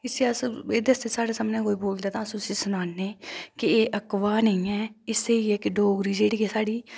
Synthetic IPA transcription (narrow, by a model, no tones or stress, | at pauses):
ɪsiəseːd̪eːəst̪eːsaːɽeːsəmnẽːkoːiːboːld̪eːt̪ãːəssiːsʊnaːnːeːkɪeːʔəkʋaːnəĩːɛːɪseːiːɛːkɪɖoːɡɾiːd͡ʒeːɽiːɛːsaːɽiː